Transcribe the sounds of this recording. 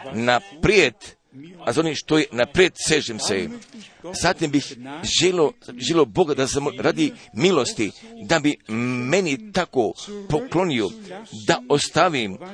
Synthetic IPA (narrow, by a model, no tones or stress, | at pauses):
napɾjed̪ | azoniʃt̪ojenapɾjet̪seʒemse | zat̪imbixʒeloʒelʲobo̞ɡad̪asemɾaːd̪imilost̪id̪abimenit̪akopo̞klo̞niod̪aost̪aʋim